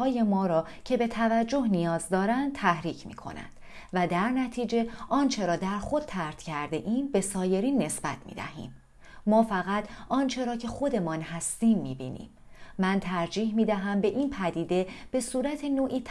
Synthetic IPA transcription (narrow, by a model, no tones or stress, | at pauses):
ɒːje̞mɒːɾɒː | cʰe̞be̞t̪ʰævæd͡ʒːo̞ɦnijɒːzd̪ɒːɾænd̪̥̚t̪ʰæhɾiːcʰmḭːkʰo̞̰næ̰nd̪̥ | væd̪æɾnæt̪ʰiːd͡ʒe̞ʔɒːnt͡ʃʰe̞ɾɒːd̪æɾxo̞d̪̚t̪ʰæɾt̪ʰcʰæɾd̪e̞̰ʔiːmbe̞sɒːje̞ɾiːnːe̞sb̥æt̪ʰmḭːd̪æ̰hḭːmː | ɒːfæɣæt̪ʰʔɒːnt͡ʃʰe̞ɾɒːcʰe̞xo̞d̪e̞mɒːnhæst̪iːmːḭːbḭːnḭːmː | ænt̪ʰæɾd͡ʒiːhmiːd̪æɦæmbe̞ʔiːnpʰæd̪iːd̪e̞b̥e̞suːɾæt̪ʰe̞noːʔiːt̪ʰ